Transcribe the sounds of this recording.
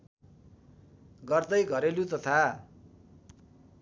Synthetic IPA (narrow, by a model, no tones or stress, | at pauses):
ɡʌrt̪ʌjɡʱʌɾelut͡sʌt̪ʰa